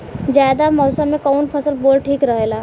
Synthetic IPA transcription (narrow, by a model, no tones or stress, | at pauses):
d͡ʒjaːd̪amɔːsəmːẽkɔːnpʰɐsəlboːlʈʰiːkɾəɦeːlaː